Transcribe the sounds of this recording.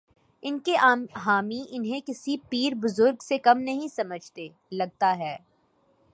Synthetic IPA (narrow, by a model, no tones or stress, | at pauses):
ɪnkeaɦaːmiʔɪnɦẽkɪsipiːɾbʊzʊɾɡsekɐmnɐɦĩsɐməd͡ʒʱt̪eː | lɐɡ̚t̪aɦɛː